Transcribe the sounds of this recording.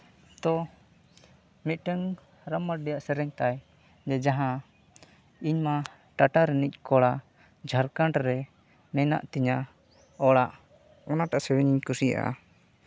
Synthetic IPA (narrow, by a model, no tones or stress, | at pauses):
t̪ɔ | mit̪̚ʈəŋ | ɾamːəʈ̚ɖɛjaʔsɛɾɛɲt̪aj | d͡ʒɛd͡ʒaɦã | iɲma | ʈaʈaɾɛnic̚ˀkɔɽa | d͡ʒʱaɾkaɳʈɾɛ | mɛna̰ʔt̪iɲa | ɔɽaʔ | ɔnaʈaʔasɛwɛɲiɲkusija̰ʔa̰